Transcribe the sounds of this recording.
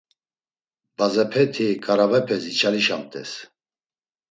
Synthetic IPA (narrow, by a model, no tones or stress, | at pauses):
bazɛpʰɛt̪ʰikʼaɾavɛpʰɛzit͡ʃʰaliʃamt̪ʼɛ̰s